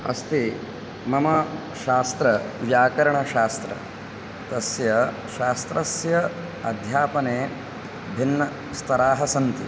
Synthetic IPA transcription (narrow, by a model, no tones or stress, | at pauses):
ɐ̰st̪i | mɐmɐ | ʃaːst̪ɾɐjaːkɐɾɐɳɐʃaːst̪ɾɐ̰ | t̪ɐsjɐ | ʃaːst̪ɾɐsjɐ | ɐd̪ʱjaːpɐneː | bʱinːɐ | st̪ʰɐɾaːɦɐsɐnt̪i